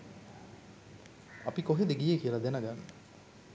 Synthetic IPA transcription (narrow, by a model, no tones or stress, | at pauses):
apikoɦed̪eɡijekijəlad̪ænəɡaŋ